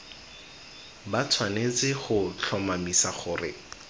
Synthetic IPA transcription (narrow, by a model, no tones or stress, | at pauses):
bat͡sʰwanet͡sɪχʊt͡ɬʰɔmamisaχʊːrɪ̰